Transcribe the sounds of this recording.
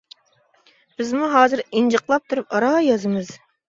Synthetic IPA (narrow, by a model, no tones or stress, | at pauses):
b̥ɪzmuɦɑːzɨɾind͡ʒɨqlˠɑp̚t̪ʰuɾupɑɾɑjɑzɨmɨz